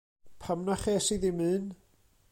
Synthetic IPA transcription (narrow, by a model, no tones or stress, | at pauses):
pʰamnaχeːsiðimɨːn